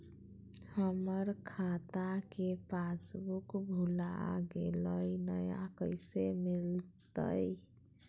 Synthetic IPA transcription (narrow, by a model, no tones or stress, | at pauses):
həməɾkʰat̪akepasbukbʱula̰ɡeləjnəjaa̰kəɪsemilt̪ə̰j